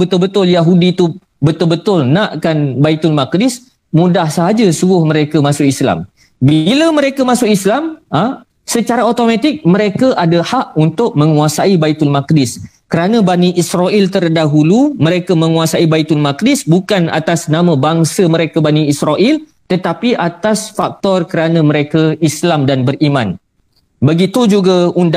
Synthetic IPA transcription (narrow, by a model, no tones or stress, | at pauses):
bət̪ʊlbət̪ʊljaɦudit̪u | bət̪ʊlbət̪ʊlnaʔkanbait̪ʊlmak̚dɪs | mũdahsəɦad͡ʒəsuɡʊhməɾekamãsʊkisla̰m | biləmə̃ɾekamãsʊkislamə | sət͡ʃaɾaot̪omãt̪ɪk̚məɾekaʔadahaʔunt̪ʊʔ̚mə̃ŋuasaibait̪ʊlmak̚dɪskəɾanə̃baniʔisɾaʔilt̪ərdaɦulumə̃ɾekamə̃ŋuasaibait̪ʊlmak̚dɪsbukana̰t̪asnãmə̃baŋsəmə̃ɾekabaniisɾaʔil | t̪ət̪apiʔat̪asfak̚t̪ɔrkəɾanãməɾekaislamdanbərimãn | bəɡit̪ud͡ʒuɡaund